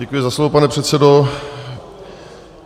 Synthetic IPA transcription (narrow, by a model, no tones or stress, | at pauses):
ɛkujɪzaslovopanɛpr̥ɛt̪sɛdo